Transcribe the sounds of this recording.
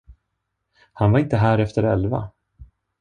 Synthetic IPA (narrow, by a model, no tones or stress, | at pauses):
hanvaɾɪnt̪əɦæːɾɛft̪əɾɛlva̰